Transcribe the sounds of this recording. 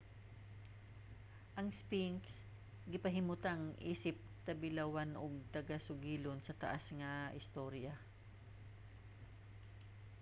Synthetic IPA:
ʔɐŋspiŋks | ɡɪpɐɦɪmʊt̪aŋʔḭːsɪp̚t̪ɐbɪlawanʔoɡ̚t̪ɐɡasʊɡiːlonsɐt̪ɐ̰ʔasŋɐʔɪst̪oɾja

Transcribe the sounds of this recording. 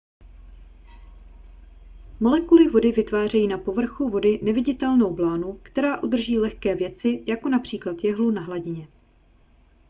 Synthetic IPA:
mo̞lɛkulɪvo̞dɪvɪt̪vaːr̝ɛjiːnapo̞vr̩xuvo̞dɪnɛvɪɟɪt̪ɛlno̞wblaːnukt̪ɛɾaːʔud̪r̩ʒiːlɛxkɛːvjɛt͡sɪjako̞napr̝̥iːklat̪jɛɦlunaɦlaɟɪɲɛ

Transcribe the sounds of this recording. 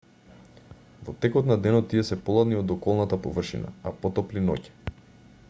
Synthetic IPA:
vɔt̪ɛkɔt̪nad̪ɛnɔt̪ːiɛsɛpɔlˠad̪niɔd̪ɔkɔlˠnat̪apɔvr̩ʃḭna̰apɔt̪ɔplinɔ̰cɛ̥

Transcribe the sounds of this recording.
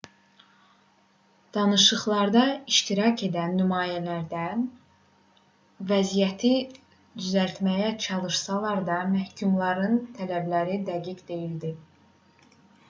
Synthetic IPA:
d̪̥ɑnɯʃɯχlˠɑɾd̪ɑiʃt̪iɾɑcʰe̞d̪ænːymɑːjælæɾd̪æn | væzijæt̪ʰi | d̪yzælt̪mæjæt͡ʃʰɑlˠɯʃsɑlˠɑɾd̪ɑmæhcʰumlˠɑɾɯnt̪ʰælæblæɾid̪æɟiɡd̪e̞jild̪i

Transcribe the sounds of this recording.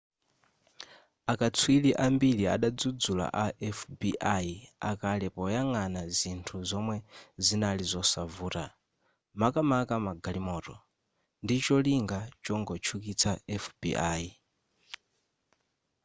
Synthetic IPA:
akat͡sʰwiliʔambiɺia̰ɗad͡zud͡zula̰ʔaʔɛfbiʔaia̰kalɛpɔjaŋanazintʰuzɔmwɛzinalizɔsavuːɾa | makamakamaɡalimɔːtɔ̰ | ndit͡ʃɔliŋɡat͡ʃɔŋɡɔt͡ʃʰukit͡sʰaɛfbḭʔaːi

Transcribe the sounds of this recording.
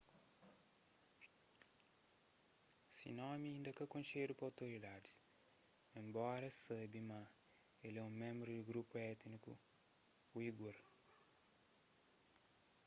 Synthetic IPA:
sḭnɔ̃miɐĩnd̪ɐkɐkõnʃeɾupawt̪oɾid̪ad̪i̥ | ẽmbɔɾɐsɐbima | elɛũmẽmbɾud̪uɡɾupuɛt̪nikṵ | wiɡuɾ

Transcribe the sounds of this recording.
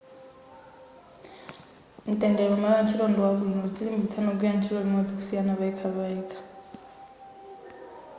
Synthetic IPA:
n̩tʼɛndɛɺɔmaɺant͡ʃʰiɺɔndɔwaβuinɔd͡ziɺimbit͡sʰanɔɡujant͡ʃʰiɺɔlinod͡ziku̥sijanaβaikʰaβaiːkʰʼḁ

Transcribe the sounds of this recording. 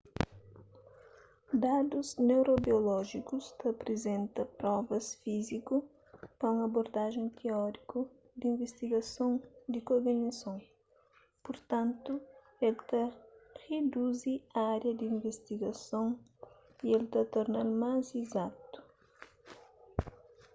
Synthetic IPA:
d̪ad̪uznewɾobiolɔʒikust̪ɐpɾezẽnt̪ɐpɾɔvɐsfiziku | pɐũŋɐboɾd̪aʒẽj̃t̪ʰeɔɾiku | d̪ĩvest̪iɡɐsõw̃d̪ikoɾɡɐɲɐsõw̃ | poɾt̪ɐ̃nt̪u | elt̪ɐʁed̪uziɐaɾjɐd̪iĩɱvest̪iɡɐsɐ̃w̃ | ielt̪ɐt̪oɾnaɾmazizat̪u̥

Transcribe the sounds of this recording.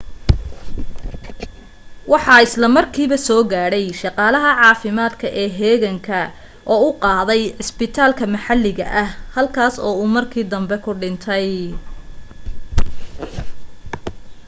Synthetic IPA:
wɑħɑːɪslɐmɐrkʰiːβɐsɔːɡaːɽɛjʃɑqɑːlɐɦɐʕɑːfɪmaːd̪kʰɐʔɛːɦɛːɣɐŋkʰɐ | ʔɔːʊqɑːðɛjʕɪspɪt̪ʰaːlkʰɐmɐħɑlːɪɣɐ̰ʔɐhhɐlkʰaːsɔːuːmɐrkʰiːd̪ɐmbɛkʰʊɖɪnt̪ʰɛj

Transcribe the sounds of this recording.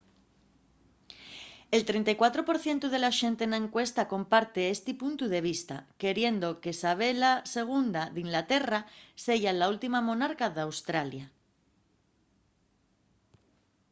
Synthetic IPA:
e̞lt̪ɾe̞nt̪ajkwat̪ɾo̞po̞ɾθje̞nt̪uð̞e̞laʃe̞nt̪enaẽŋkwe̞st̪ako̞mpaɾt̪eest̪ipunt̪uðe̞β̞ist̪a̰ke̞ɾje̞nd̪o̞kesaβ̞e̞lase̞ɣ̞und̪aðiŋlat̪e̞rase̞ʝalault̪imamõ̞naɾkaðawst̪ɾalja

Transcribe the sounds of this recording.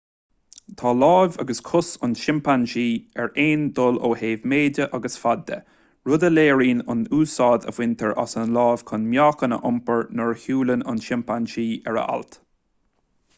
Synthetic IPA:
t̪ʰɑːlɑːvɑɡəskʰʊsʊnʃɪmpanʃiːɛɹeːnd̪ʊloːheːvmeːdəʔɑɡəsfad̪ːə̰ | ɹʊd̪əleːɹiːnʊ̰nuːsɑːd̪ə̰vwɪnt̪ʰəɹʔa̰sənlɑːv̥kʰʊnmjɑːkənə̰ʔʊmpəɹnəɹhjuːlənʊ̰nʃɪmpanʃiːɛɹə̰a̰lt̪

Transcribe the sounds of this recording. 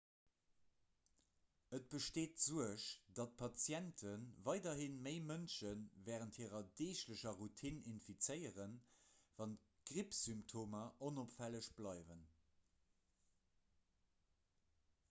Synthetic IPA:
ət̚b̥əʃteːtz̥uəʃd̥ɑt̚pʰɑt͡sjæntʰənvɑɪdɐɦinməɪmənʃənvɛːʁəntʰhiəʁɐdeːɕləɕɐʁutʰininfit͡sɜɪəʁənvɑnt | ɡ̥ʁipsymptʰoːmɐʔonopfæləɕb̥lɑɪvən

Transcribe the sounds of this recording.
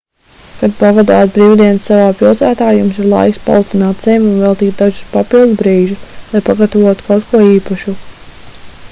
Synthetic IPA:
kad̪̚pavad̪aːt̪bɾiːwd̪iɛnsːavaːpilˠt̪saːt̪aːjumsiɾlˠa̰jkspa̰lˠut̪t̪ʲinaːt̪z̥ɛjmunvɛlˠt̪iːt̪̚d̪aʒuspapilˠd̪zbɾiːʒuslˠajpaɡat̪avuɔt̪u̥kawt̪kʰuɔiːpaʃu

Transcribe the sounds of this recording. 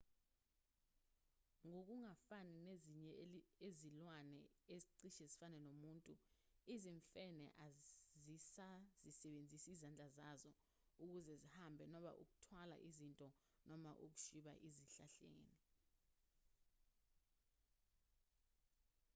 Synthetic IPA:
ŋok̬uŋafanineziɲɛezilwanɛeziǀiʃɛzifanɛnomuːntʼuiziɱfɛnɛ̰ʔazisazisɛɓend͡zʱisizand͡ɮʱazazɔ | uk̬uzɛzihambʱɛnɔɓa̰ʔṵk̬u̥tʰwala̰ʔizintʼɔ | nɔmaʔuk̬u̥ʃiɓa̰ʔiziɬa̰ɬḛːni

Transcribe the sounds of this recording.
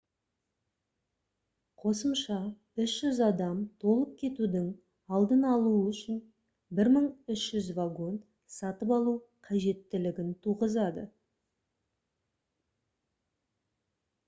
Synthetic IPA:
qʰo̞səmʃɑ | ʏʃʒ̥ʏzɑd̪ɑmt̪ʰo̞lˠəp̚kʲʰe̞t̪ud̪ɪŋ | ɑlˠd̪ənɑlˠuʏʃɪn | bɪɾməɴʏʃʒ̥ʏzvaɡo̞nt̪ | sɑt̪əpɑlˠuqʰɑʒe̞t̪ːɪlɪɡʲɪnt̪ʰuʁəzɑd̪ə̰

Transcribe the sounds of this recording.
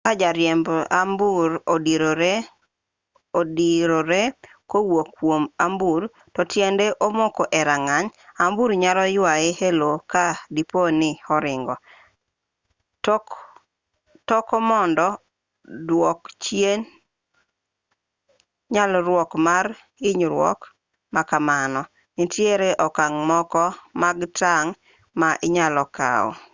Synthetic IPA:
kad͡ʒaɾjɛmbambuɾodiɾoɾe | odiɾoɾe | kowokːwomambuɾ | tɔtjendeʔomokoʔɛɾaŋaɲambuɾɲalɔjʊaehelokadiponɪɔɾɪŋɡɔ | tɔkɔmɔndɔ | dwɔkt͡ʃjen | ɲalɾwɔkmaɾ | ɪɲɾwɔ̰k | makamanɔ | nitjeɾeʔɔkaŋmɔkɔmaɡtaŋ | maʔɪɲalɔka̰ɔ̰

